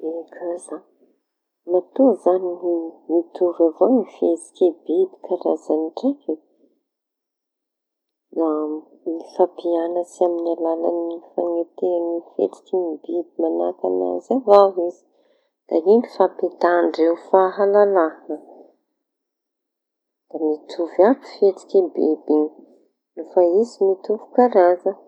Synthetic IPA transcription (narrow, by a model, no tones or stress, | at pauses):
ekʰaza | nat̪uzaniimit̪uɾavonifezi̥kʲebib̪i̥kʰaɾazaniʈ͡ʂeke | na | ifapianəsiaminalala̰nifaŋet̪eanifḛt̪i̥kʲinibibimanak̪ana̰zavawizi̥ | d̪̥a̰ɦinifapet̪aɳɖ͡ʐewfaɦalalaɦanə | d̪̥amit̪ʰuvabi̥fet̪i̥kʲibḛbin | nufaizimit̪uvu̥kaɾazə